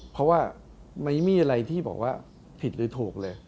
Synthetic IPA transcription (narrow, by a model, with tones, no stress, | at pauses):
pʰɾɔ˦˥waː˥˩ | ma˦˥˩jmiː˧ʔa˧ɾa˧jt̪ʰiː˥˩bɔ̰ː˨˩k̚waː˥˩ | pʰi˨˩t̪̚ɾɯː˨˦t̪ʰoː˨˩k̚lɤː˧j